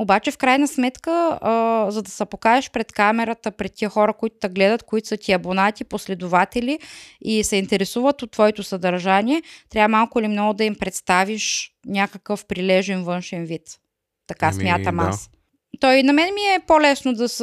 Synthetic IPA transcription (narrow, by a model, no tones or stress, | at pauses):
obat͡ʃɛfkɾajnəsmɛt̪kə | zɐd̪ɐsɐpokaɛʃpɾɛt̪kamɛɾət̪əpɾɛt̪̚ʲːiəxɔɾəkoit̪ʊd̪ɐɡlɛd̪ət̪koit̪ʊ̥sət̪ʲiɐbonat̪ʲiposlɛd̪ʊvat̪ɛliisɛint̪ɛɾɛsuvət̪ot̪ːvɔɛt̪osɐd̪ɐɾʒaniɛt̪ɾʲavəmalˠkʊilimnɔɡʊd̪ɐimpɾɛt̪st̪aviʃnʲakəkəfpɾilɛʒɛnvɤnʃɛnvit̪ː | ɐkasmʲjat̪əma̰s | t̪ɔjinɐmɛnɛmiɛpolɛsnod̪ɐs